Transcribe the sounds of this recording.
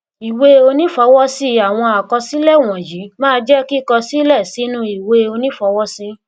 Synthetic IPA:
i˨we˦o˧nĩ˦fɔ˧wɔ˦si˦a˨w̃ɔ̃˧a˨kɔ˧si˦lɛ˦˨w̃ɔ̃˨ji˨˦mãː˦˧d͡ʒɛ˦ki˦kɔ˧si˦lɛ˦˨si˨˦nũ˦i˨we˧˦o˧nĩ˦fɔ˧wɔ˦si˦˧

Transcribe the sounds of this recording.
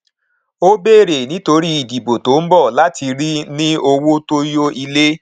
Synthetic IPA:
o˦be˦˨ɾe˨nĩ˦to˧ɾi˦i˨di˨bo˨to˨˦m̩˦bɔ˦˨la˦ti˧ɾi˦nĩ˦o˧wo˦to˦jo˦i˧le˦

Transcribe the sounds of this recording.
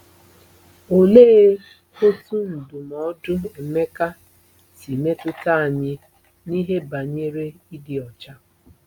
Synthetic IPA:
o˨leː˦ | ho˦tu˦n̩˨dʊ˨mɔ˨˦dʊ˦e˨me˦ka˦ | ti˨me˦tʊ˦ta˦a˨ɲɪ˦ | ni˦ɦe˦ba˨ɲe˦ɾe˦i˦dɪ˨ɔ˨t͡ʃa˦

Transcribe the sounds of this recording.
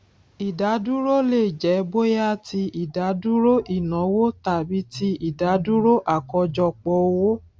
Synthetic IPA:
i˨da˨˦du˦ɾo˦le˦˨d͡ʒɛ˨˦bo˦ja˦ti˧i˨da˨˦du˦ɾo˦ʔi˦˨nɔ̃˨˦wo˦ta˨bi˨˦ti˦i˨da˨˦du˦ɾo˦ʔa˦˨kɔ˧d͡ʒɔ˧k͡pɔ˧o˧wo˦

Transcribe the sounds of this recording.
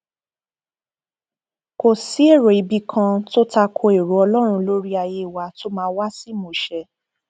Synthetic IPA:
ko˨si˨˦e˦˨ɾo˨i˨˧bi˧kʰã˧to˦ta˧kʰo˧e˨ɾu˨ɔ˧lɔ˦ɾ̃ũ˧lo˦ɾi˦a˧je˧i˨wa˧to˦mãː˧˦wa˦si˦˨mõ˨ʃɛ˨˧˦

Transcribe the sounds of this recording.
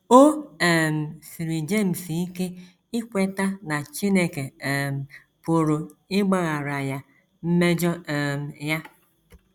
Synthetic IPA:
o˦e˨m̩˨si˨ɾi˨d͡ʒe˦˨m̩˨si˨i˦ke˦ | i˦kʷe˦ta˦na˨t͡ʃi˦ne˨ke˨m̩˨ | pʊ˨ɾo˨ɪ˦ɡ͡ba˦ɣa˨ɾa˨ja˨ | m̩˦me˦d͡ʒɔ˦˨m̩˨ja˦

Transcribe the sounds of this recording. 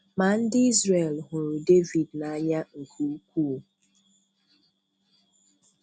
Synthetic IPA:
ma˨n̩˦dɪ˦i˦zre˨lɦʊ˨ɾʊ˨de˦vi˨dna˨a˦ɲa˦ŋ̩˨kʰu˨u˦kʷu˦˨

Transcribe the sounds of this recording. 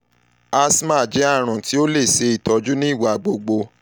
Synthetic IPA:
a˧sma˦˨d͡ʒɛ˨˦a˦˨ɾ̃ũ˨ti˦o˦le˦˨se˧i˦˨tɔ˨˧d͡ʒu˦nĩ˦i˦˨wa˨ɡ͡bo˧ɡ͡bo˧

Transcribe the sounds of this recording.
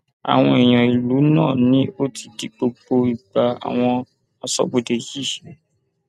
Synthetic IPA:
a̰˨w̃ɔ̃˧e˨j̃ɔ̃˨i˨lu˨˦nã̰ː˦˨nĩ˨˦o˦tʰi˧di˧ɡ͡bo˧ɡ͡bo˧i˨ɡ͡ba˧a̰˨w̃ɔ̃˧ | a˧sɔ̰˨bo˨de˨ji˦

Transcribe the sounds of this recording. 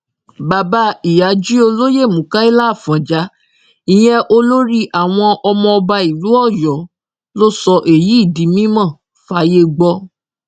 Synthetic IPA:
ba˨ba˧˦i˨ja˨˦d͡ʒi˦o˧lo˦je˦˨mũ˨ka˦i˦la˦˨fã˨d͡ʒa˨˦ | ĩ˨j̃ɛ̃˦ʔo˧lo˦ɾi˦ʔa˨w̃ɔ̃˧ʔɔ˧mɔ̃˧ɔ˧ba˧i˨lu˨˦ɔ˦˨jɔ˨˦ | lo˦sɔ˧ʔe˨ji˨˦i˦˨di˨˦mĩ˦mã˦˨ | fa˨˦je˧ɡ͡bɔ˧

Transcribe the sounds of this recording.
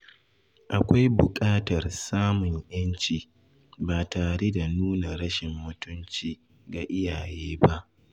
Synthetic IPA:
ʔa˨kʷa˦jbʊ˨kʼaː˦tɐ˨rsaː˦mʊ˨ɲjɐ˦nt͡ʃiː˨ | baː˨taː˨ɽe˦da˨nuː˦na˨ɽɐ˦ʃɪ˨mːʊ˦tʊ˦nt͡ʃiː˨ | ɡa˨ʔɪ˦jaː˨jeː˦ba˦ʔ

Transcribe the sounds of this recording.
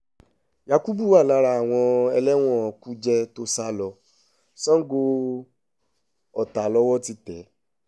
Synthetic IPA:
ja˧ku˦bu˦˨a˦˨la˧ɾa˧a˨w̃ɔ̃˧ɛ˧lɛ˦w̃ɔ̃˦˨ku˦d͡ʒɛ˧to˦sa˦lɔ˧ | sɔ̃˦ɡo˧ | ɔ˨ta˨lɔ˦wɔ˦ti˦tɛ˨˦

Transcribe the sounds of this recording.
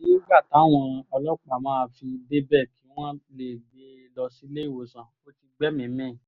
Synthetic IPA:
i˦i˦ɡ͡ba˦˨ta˨˦˨w̃ɔ̃˧ɔ˧lɔ˦k͡pa˦˨mãː˦˧fi˧de˦bɛ˦˨ki˨˦w̃ɔ̃˦le˨ɡ͡be˨˦lɔ˧si˦le˦i˦˨wo˨sã˨o˦ti˧ɡ͡bɛ˦mĩ˨˦mĩ˦˨

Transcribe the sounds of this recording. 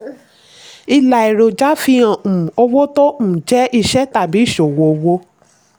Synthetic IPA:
i˧la˨i˨ɾo˨d͡ʒa˦fi˧ã˨o˧wo˦tõ˦˨d͡ʒɛ˦i˧ʃɛ˦ta˦˨bi˨˦˨ʃo˨wo˨˧˦wo˦

